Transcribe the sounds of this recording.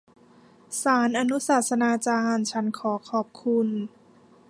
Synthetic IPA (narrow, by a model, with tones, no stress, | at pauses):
saː˩˦nʔa˧nu˦˥saː˨˩t̪̚sa˧naː˧t͡ɕaː˧nt͡ɕʰa˦˥nkʰɔː˩˦kʰɔː˨˩p̚kʰu˧n